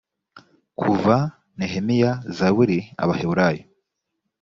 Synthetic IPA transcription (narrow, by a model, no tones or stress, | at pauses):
kʰuva | neɦemijazawiɾia̰βaheβuɾajo